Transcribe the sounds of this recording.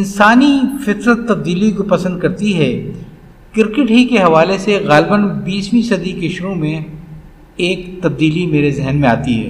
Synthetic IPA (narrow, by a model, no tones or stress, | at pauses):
ɪnsaːnifɪt̪ɾət̪ːɐb̚d̪iːlikopɐsə̃nd̪̚kɐɾt̪iɦɛː | kɪɾkɪʈɦikeɦɐʋaːleseɣaːlbənbiːsmĩsɐd̪ikeʃʊɾũmẽ | eːkt̪ɐb̚d̪iːlimeːɾezɛɦnmẽaːt̪iɦɛ̰ː